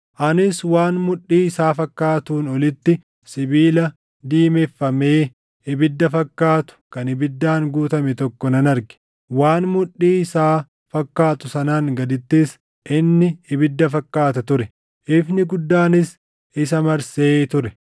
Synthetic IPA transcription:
ʔɐnɪswaːnmʊᶑːiːɪsaːfɐkːaːt̪uːnɔlɪt̪ːɪ | sɪbiːlɐ | d̪iːmɛfːɐmeː | ɪbɪd̪ːɐfɐkːaːt̪ʊ̥kɐnɪbɪd̪ːaːŋɡuːt̪ɐmɛt̪ɔkːɔnɐnɐɾɡɛ̥ | waːnmʊᶑːiːɪsaː | fɐkːaːt̪ʊsɐnaːŋɡɐd̪ɪt̪ːis | ʔɪnːɪɪbɪd̪ːɐfɐkːaːt̪ɐt̪ʊɾɛ | ʔɪfnɪɡʊd̪ːaːnɪs | ɪsɐmɐɾseːt̪ʊɾɛ

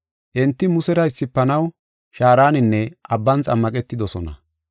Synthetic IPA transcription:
ʔɛnt̪ːɪmʊsɛɾɐɪsːɪpːɐnɐw | ʃaːɾaːnɪnːɛʔɐbːɐnt͡sʼɐmːɐkʼɛt̪ːɪd̪ɔsɔnɐ̰

